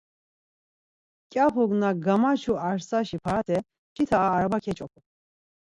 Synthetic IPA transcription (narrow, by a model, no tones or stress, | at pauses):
kʼjapʰuɡnaɡamat͡ʃʰuaɾsaʃipʰaɾat̪ʰɛ | t͡ʃʰit̪ʰaːɾabakʰɛt͡ʃʼɔkʰu